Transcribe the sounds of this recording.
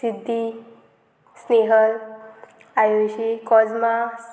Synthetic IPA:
sid̪ʱːi | sneɦəl | ajoɕikɔd͡zmas

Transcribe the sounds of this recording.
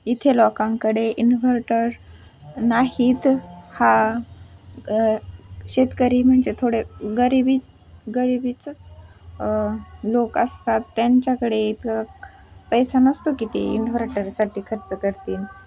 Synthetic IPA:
it̪ʰelɔkãŋkəɽeʔinʋəɾʈəɾ | naɦiːt̪ha | ɕet̪kəɾiːm̤əɳd͡zet̪ʰoɽeɡəɾibi | ɡəɾibit͡sət͡s | lokəst̪at̪ːjaɲt͡ɕjakəɽeit̪ʰka | pəjsanəst̪okit̪ḛḭnfəɾʈəɾsaʈʰiːkʰəɾt͡səkəɾt̪iːn

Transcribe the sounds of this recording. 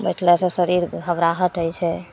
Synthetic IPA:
bəjʈʰlɛsə̃səɾiɾɡʱəbɾaɦəʈəjt͡ʃʰɛ

